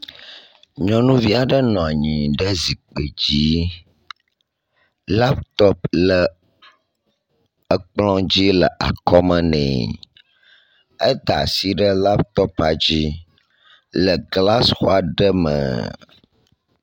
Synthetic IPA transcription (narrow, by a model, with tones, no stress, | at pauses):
ɲɔ̃˦nũ˦vi˦a˨ɖə˦nɔ̃˨a˨ɲĩ˨ɖə˦zi˨k͡pe˨d͡ʑi˦ | la˦p̚t̪ɔ˦plə˨ | ə˦k͡plɔ̃˦d͡ʑi˦lə˨ʔa̰˨kɔ˦mə˦nɛ̰̃˨ | ə˦d̪a̰˨si˦ɖə˦la˦p̚t̪ɔ˦pa˨d͡ʑi˦ | lə˨ɡla˦sxo˦a˨ɖə˦mə̰̃˨